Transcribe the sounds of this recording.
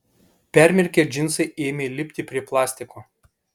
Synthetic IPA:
pʲæˑɾʲmʲɛɾʲkʲeːd͡ʒʲɪnsɐɪʔeːmʲelʲɪpʲt̪ʲɪpʲɾʲiɛplˠɑːsʲt̪ʲɪkoː

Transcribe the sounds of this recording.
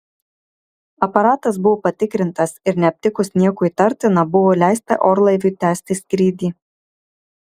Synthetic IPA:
ɐpɐɾɑːt̪ɐs̬bʊʋoːpɐt̪ʲɪkɾʲɪnt̪ɐsɪɾnʲɛɐpʲt̪ʲɪkʊsnʲiɛkʊiːt̪ɐɾʲt̪ʲɪnɐbʊʋoːlʲæˑɪst̪ɐ̰ʔoːɾlˠɐɪʋʲʊːˑt̪ʲæːsʲt̪ʲɪsʲkɾʲiːd̪ʲiː

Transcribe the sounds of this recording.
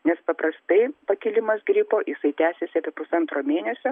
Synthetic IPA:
nʲɛspɐpɾɐst̪ɐɪpɐkʲɪlʲɪmɐsɡɾʲiːpoːjɪsɐɪt̪ʲæːsʲesʲɪɐpʲeɛpʊsɐnt̪ɾoːmʲeːnʲɛsʲo

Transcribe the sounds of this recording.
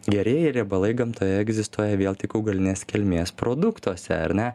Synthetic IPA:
ɡʲɛɾʲeɛjɛɪɾʲeɛbɐlˠɐɪɡɐmt̪oːjɛɛɡzʲɪst̪uɔjɛʋʲeːlˠt̪ʲɪkɐʊɡɐlʲɪnʲeːskʲɛlʲmʲeːspɾoːd̪ʊkt̪uɔsʲɛ̰ɐ̰ɾʲnʲɛ

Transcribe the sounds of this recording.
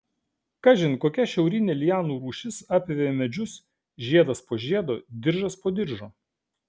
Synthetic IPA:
kɐʒʲɪnʲkoːkʲɛʃʲɛʊɾʲɪnʲeːlʲɪjæːnuːɾuːʃʲɪsɑːpʲʋʲeʋʲemʲɛd͡ʒʲʊs | ʒʲiɛd̪ɐspoːʒʲiɛd̪oːd̪ʲɪɾʒɐspoːd̪ʲɪɾʒoː

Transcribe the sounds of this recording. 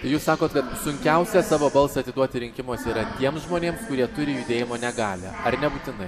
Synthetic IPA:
t̪ɐɪjuːssɑːkoːt̪kɐt̪sʊŋʲkʲɛʊsʲɛsɑːʋoːbɐlˠsɐt̪ʲɪd̪uɔt̪ʲɪɾʲɪŋʲkʲɪmoːsʲɛiɾɐt̪ʲiɛmsʒmoːnʲeːmskʊɾʲiɛt̪ʊɾʲɪjud̪ʲeːjɪmoːnʲɛɡɑːlʲɛ̰ɐɾnʲɛbuːt̪ʲɪnɐɪ

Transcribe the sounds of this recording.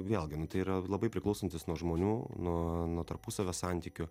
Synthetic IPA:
ʋʲeːlˠɡʲɪnʊt̪ɐɪiːɾɐlˠɐbɐɪpʲɾʲɪklˠɐʊsont̪ʲɪsnuɔʒmoːnʲuːnuɔnuɔt̪ɐɾpuːsɐʋʲosɑnʲt̪ʲiːkʲʊ

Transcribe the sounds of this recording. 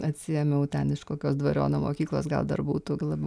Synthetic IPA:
ɐt̪ʲsʲɪjɛmʲɛʊt̪ʲɛnɪʃkoːkʲoːsd̪ʋɐɾʲo̰ːnoːmo̰ːkʲiːklˠoːsɡɐ̰lˠd̪ɐ̰rbuːt̪ʊɡlˠɐbʲɛ

